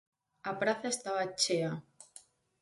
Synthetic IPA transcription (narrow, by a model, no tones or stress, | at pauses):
apɾaθaest̪aβat͡ʃea